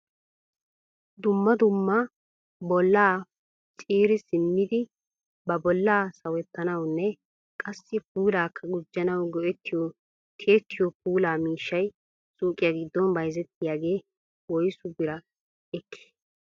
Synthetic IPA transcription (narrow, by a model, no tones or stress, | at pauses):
d̪ʊmːɐd̪ʊmːɐ | bɔlːaː | t͡ʃʼiːɾɪsɪnːɪd̪ɪ | bɐbɔlːaːsɐwɛt̪ːɐnɐwnːɛ | kʼɐsːɪpuːlaːkʰːɐɡʊd͡ʒːɐnɐwɡɔʔɛt̪ːɪjɔ | t̪ʰeːt̪ʰːɪjɔp̚uːlaːmiːʃːɐj | sʼuːkʼɪjɐɡɪd̪ːɔnbɐjzɛt̪ːɪjaːɡe̞ː | wɔjsʊbɪɾɐ | ɛkʰːɪ̥